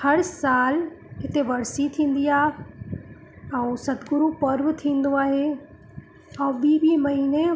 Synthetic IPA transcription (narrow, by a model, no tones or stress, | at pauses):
hɐɾsaːlɦɪt̪eʋɐɽsit̪ʰĩːn̆d̪iaːɦe | ɛ̃ːsɐt̪ɡʊɾupɐɾʋt̪ʰĩːn̆d̪oaːɦe | ɛ̃ːɓiːɓiːmɐɦiːne